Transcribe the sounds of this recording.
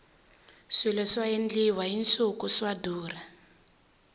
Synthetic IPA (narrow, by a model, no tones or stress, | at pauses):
silɛswajend͡ɮiwaɦint͡sukuswaduːra